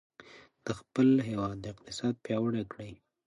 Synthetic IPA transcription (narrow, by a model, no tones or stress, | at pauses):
d̪̥əxpəlɦewɑd̪̚ːəɪq̚t̪ɪsɑd̪̚pjɑwəɽekɽəj